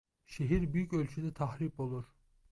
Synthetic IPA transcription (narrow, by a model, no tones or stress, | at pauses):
ʃeɦiɾbyjycølʲt͡ʃʰyd̪ɛt̪ʰahɾipo̞lˠuɾ̥